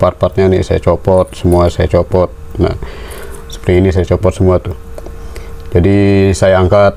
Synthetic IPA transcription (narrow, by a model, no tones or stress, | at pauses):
par̚pat̪̚ɲanḭsaja̰t͡ʃopɔt̪̚səmuasajat͡ʃopɔt̪̚na̰h | sə̥pərɾiinisajat͡ʃɔpɔt̪səmuat̪u | d͡ʒadisajaːŋkat̪̚